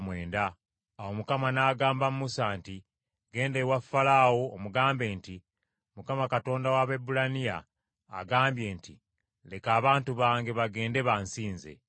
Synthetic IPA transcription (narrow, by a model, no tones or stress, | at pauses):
mwe̞ːndaː | wo̞mukamanaːɡaːmbamumusaːnti | ɡe̞ːndewafːalaːwo̞ːmuɡaːmbe̞ːnti | mukamakato̞ːndawaβe̞bulanija̰ː | ɡaːmbje̞ːnti | le̞kaːβaːntuβaːŋɡe̞βaɡe̞ːnde̞βansiːnze̞̰